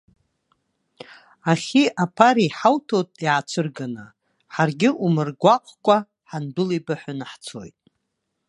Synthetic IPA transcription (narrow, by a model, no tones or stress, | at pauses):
aχʲiʔapʰaɾiħawtʰotʼiʕat͡ʃʷʰɨrɡana | ħarɡʲɪʔumɨrɡʷaqʷʰʼkʷʼa | ħandʊlibaħʷanaħt͡sʰo̰jtʼ